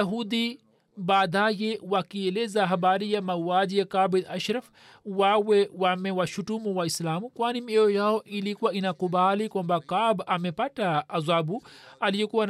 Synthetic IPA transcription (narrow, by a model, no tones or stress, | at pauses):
aɦud̪i | baːd̪ajɛwakiɛlɛzaɦabaɾijamawwad͡ʒijakabɛlaʃɾaf | wawɛwamɛwaʃutumuwaislaːmukwanimiɛɔjaɔʔilikuwainakubalikwambakabamɛpataːzabualijɔkuwan